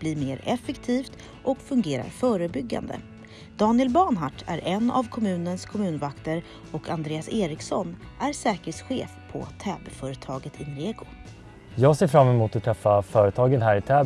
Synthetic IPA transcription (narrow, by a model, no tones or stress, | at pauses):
b̥liːɾmeːɾɛfɛkt̪ʰiːft̪ | ʔɔkfɵŋɡeːɾa̰ɾfœːɾəbʏɡːa̰nd̪ə̰ | d̪̥ɑːnɪɛlbɑːɳɦaʈʰːæ̰ɾʔɛnːa̰vkʰɔmʉ̟ːnənskʰɔmʉ̟ːnvakt̪əɾ | ɔkʰand̪ɾeːaseːɾɪksɔn | ʔæɾsɛːkəɾheːt̪sɧḛːfpʰɔ̰t̪ʰɛːbɛfœːɾət̪ʰɑːɡət̪ʰɪnɾeːɡʊ | jɑːɡseːɾfɾamːɛmuːt̪ɔt̪ʰːɾɛfːafœːɾət̪ʰɑːɡənɦæːɾɪt̪ʰɛː